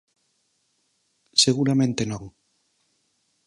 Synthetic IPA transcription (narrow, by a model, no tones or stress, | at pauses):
seɣuɾamẽnt̪enõŋ